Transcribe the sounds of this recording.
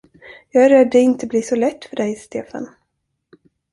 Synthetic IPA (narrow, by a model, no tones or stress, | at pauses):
jɑːɡæɾɛd̪ːɛɪnt̪əbliːʂɔlɛt̪ːfœɖɛjst̪ḛːfa̰n